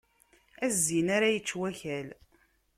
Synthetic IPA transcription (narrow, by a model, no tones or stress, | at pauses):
æzːinaɾæjət͡ʃːwæçæl